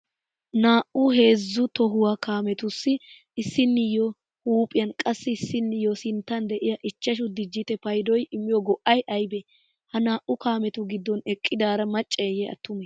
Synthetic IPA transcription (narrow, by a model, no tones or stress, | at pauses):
naːʔʊhe̞ːzːʊt̪ɔɦʊwakaːmɛt̪ʊsːɪː | sːɪnːɪjɔ | huːpʼɪjɐnkʼɐsːɪɪsːɪnːɪjɔsɪnt̪ːɐnd̪ɛʔɪjɐʔɪt͡ʃːɐʃ̬ʊd̪ɪd͡ʒːɪt̪ɛpɐjd̪ɔjɪmːɪjɔɡɔʔɐjʔɐjbɛ | hɐnaːʔʊkaːmɛt̪ʊɡɪd̪ːɔnɛkʼːɪd̪aːɾɐmɐt͡ʃʼːɛjɛɐ̰t̪ːʊmɛ